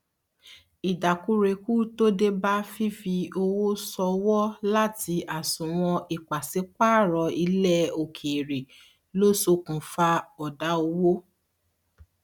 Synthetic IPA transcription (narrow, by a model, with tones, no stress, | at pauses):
i˨da˨ku˨˦ɾe˧ku˦to˦de˦ba˦fi˦fi˧o˧wo˦sɔ˧wɔ˦la˦ti˧a˨sũ˨w̃ɔ̃˧i˨k͡pa˨si˨˦k͡pa˦˨ɾɔ˧i˧lɛ˦o˨kʰe˨ɾe˨ | lo˦so˧kũ˨fa˧ɔ˨da˨˦o˧wo˦